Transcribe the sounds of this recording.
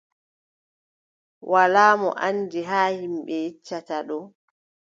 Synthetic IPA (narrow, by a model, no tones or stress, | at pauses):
wʔalaːmɔ̰ʔandiɦaːhimɓɛjit͡ʃːataɗɔ